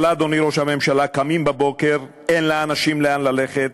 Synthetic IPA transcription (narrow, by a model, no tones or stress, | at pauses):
lad̪oniɾoʃhame̞mʃalakamimbabo̞ke̞ʁ | enlaːnaʃimleanlale̞χet̪